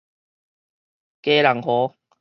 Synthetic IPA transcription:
ke˦la˨˩ŋhɔ˨˦

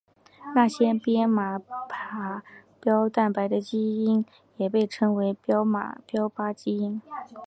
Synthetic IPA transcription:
na˥˩ɕjɛ˥pjɛ˥nma˨˩pʰa˨˥pjɑ˥ʊt̪a˥˩npa˧˥ɪd̪ə˧t͡ɕi˥i˥n | jɛ˨˩pe˥˩ɪʈ͡ʂʰɤ˥ŋwe˧˥ɪpjɑ˥ʊma̰˨˩pjɑ˥ʊpa˥t͡ɕi˥i˥n

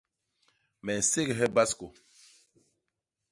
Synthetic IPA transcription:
mɛ˨n̩˨se˦ɡɛ˨ɦɛ˦ba˦sko˨

